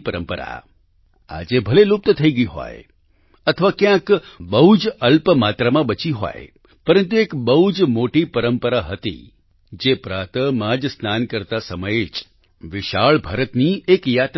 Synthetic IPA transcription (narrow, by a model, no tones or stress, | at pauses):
pəɾəmpəɾa̰ | a̰d͡ʒebʱəlelup̚t̪t̪ʰəiɡəiɦɔ̰j | ət̪ʰəʋakjãkbəɦud͡ʒəlpəmat̪ɾamãbət͡ʃiɦɔ̰j | pəɾənt̪uekbəɦud͡ʒmoʈipəɾəmpəɾaɦət̪ḭ | d͡ʒepɾat̪əmãd͡ʒsnankəɾt̪asəməjet͡ʃ | ʋɪʃaɭbʱaɾət̪niekjat̪